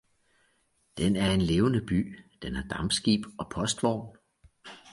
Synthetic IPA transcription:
d̥enæɐe̝nle̝ːʊnəb̥y̰ːd̥enæd̥ɑ̈mb̥sɡ̥ḭːb̥ɒ̽pʰɒ̽sd̥ʋɒ̰ʊn

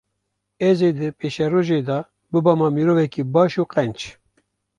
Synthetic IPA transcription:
ɛzed̪ɨpeːʃɛɾoːʒeːd̪ɑː | bɨbɑmɑːmiɾoːvɛkiːbɑːʃuːqɛnt͡ʃ

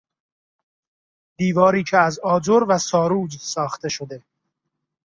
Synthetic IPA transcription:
d̪̥iːvɒːɾiːcʰeæzɒːd͡ʒoɾvæsɒːɾuːd͡ʒsɒːxt̪e̞ʃo̞d̪e̞

